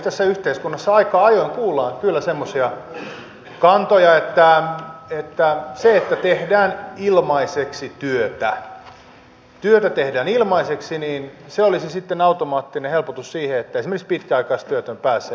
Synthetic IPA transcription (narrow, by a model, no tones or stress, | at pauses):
t̪æsːæyht̪eiskunːɑsːɑɑikɑːɑjoiŋkuːlːɑːkylːæsemːosiɑ | kɑnt̪ojɑet̪ːæet̪ːæseet̪ːæt̪ehdæːnilmɑiseksit̪yøt̪æ | t̪yøt̪æt̪ehdæːnilmɑiseksiniːnseolisisit̪ːenɑut̪omɑːt̪ːinehelpot̪ussiːheet̪ːæesimerkikspit̪kæɑikɑist̪yøt̪ømpæːsːe